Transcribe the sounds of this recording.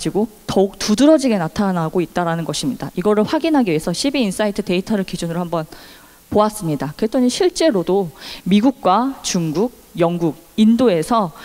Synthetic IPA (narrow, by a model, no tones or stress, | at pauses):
d͡ʑiɡo | tʌuk̚tudɯɾʌd͡ʑiɡe̞natʰanaɡoit̚t͈aɾanɯnɡʌɕʰimɲidaiɡʌɾɯɭɸwaɡinɦaɡiɥe̞sʰʌɕʰibiːns͈aitʰɯte̞itʰʌɾɯɭkid͡ʑunɯɾohambʌn | poas͈ɯmɲidakɯetʰoɲiɕʰiɭt͡ɕ͈e̞ɾodomiɡuk̚k͈wat͡ɕuŋɡuɡ̚jʌŋɡuɡindoe̞sʰʌ